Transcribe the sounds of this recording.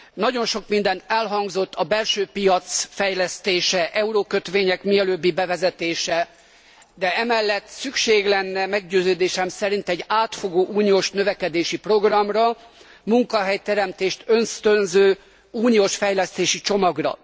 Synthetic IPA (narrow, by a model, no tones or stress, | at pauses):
nɒɟo̞nʃo̞kmind̪ɛnt̪ɛlɦɒŋɡzo̞t̪ːɒbɛlʃøːpijɒt̪sfɛjlɛst̪eːʃɛʔɛuɾokøt̪ʋeːɲɛkmiɛløːbːibɛvɛzɛt̪eːʃɛ | d̪ɛɛmɛlːɛt̪ːsykʃeːɡlɛnːɛmɛɡɟøːzøːd̪eːʃɛmsɛɾint̪ɛɟaːt̪fo̞ɡoːʔuːnijoːʃnø̞vɛkɛd̪eːʃipro̞ɡrɒmrɒ | muŋkɒɦɛjt̪ɛɾɛmt̪eːʃt̪ø̞nst̪ønzøː | uːnioːʃfɛjlɛst̪eːʃit͡ʃo̞mɒɡrɒ̰